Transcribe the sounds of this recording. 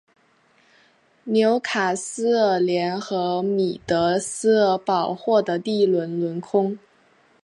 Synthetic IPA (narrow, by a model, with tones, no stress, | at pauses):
njo˧˥ʊkʰa˨˩sɹ̩˥ə˥˩ljɛ˧˥nxɤ˧˥mi˨˩t̪ɤ˧˥sɹ̩˥ə˧˩pɑ˨˩ʊxwɔ˥˩d̪ə˩t̪i˥˩lwə˧˥nlwə˧˥nkʰʊ˥ŋ